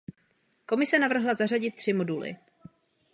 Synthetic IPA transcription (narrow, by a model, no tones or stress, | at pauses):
ko̞mɪsɛnavr̩ɦlazar̝aɟɪt̪̚ːr̝̥ɪmo̞dulɪ̰